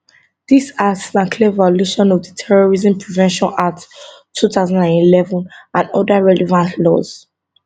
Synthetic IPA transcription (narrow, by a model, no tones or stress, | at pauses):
d̥isasnãkʰlɛvaluʃɔ̃nɔvdətʰɛɹɔɹizə̃mpʰɹivɛ̃nʃɔ̃natʰː | utaʊzãndãnilɛvɔ̃nãnɔdaɹɛlɛvãntʰlɔz̥